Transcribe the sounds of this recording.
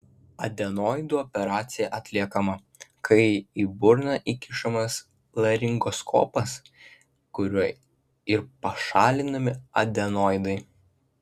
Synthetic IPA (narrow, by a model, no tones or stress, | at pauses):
ɐd̪ʲɛnoːɪd̪uːɔpʲɛɾɑːt̪sʲɪjɛʔɐt̪ʲlʲiɛkɐmɐ | kʰɐɪiːbʊɾnɐʔikʲɪʃɐmɐs | lˠɐɾʲɪŋɡɔskʰo̰ːpɐs | kʊɾʲuɔ | ɪɾpɐʃɑːlʲɪnɐmʲɪɐd̪ʲɛnoːɪd̪ɐɪ